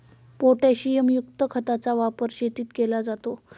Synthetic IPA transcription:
poʈaɕijemjukt̪əkʰət̪at͡saʋapəɾɕet̪iːt̪kelad͡zat̪o

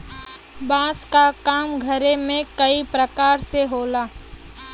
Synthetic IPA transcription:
bãːskakaːmɡʱəɾemẽkəipɾəkaːɾseɦoːlaː

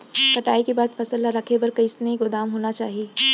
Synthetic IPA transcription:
kɐʈaːikebaːd̪fɐsəlːaɾɐkʰebɐɾkɐɪsneiɡʊd̪aːmɦoːnat͡ʃa̰ːɦieː

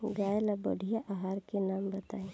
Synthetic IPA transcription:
ɡaːjlabɐ̰ɽʱijaʔaɦaːɾkenaːmbɐt̪aːe

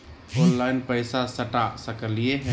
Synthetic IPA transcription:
fʰonlaɪnpəɪsasəʈasəkəlije

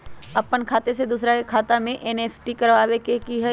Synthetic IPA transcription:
ɐpənkʰaːt̪esed̪uːsɾaekʰaːt̪amẽʔɛneːfʰʈikɐɾʋaːʋekekiɦɛ

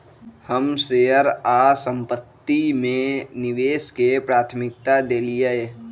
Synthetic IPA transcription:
həmseɦəɾasə̃mpət̪ːimẽnɪʋeːskepɾaːt̪ʰmɪk̚t̪ad̪eːliee

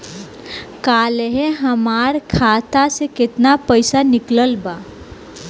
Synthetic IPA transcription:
kaːleɦeɦəmaːɾkʰaːt̪asekɪt̪napəɪsanɪkləlba

